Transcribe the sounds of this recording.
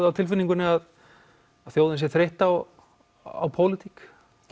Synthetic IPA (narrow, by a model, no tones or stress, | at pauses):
ðawt̪ʰɪlfʏniŋkʏnɪað | að̥θjoːwðɪnsjɛθɾeht̪aːw | a̰wpʰowlɪt̪ʰik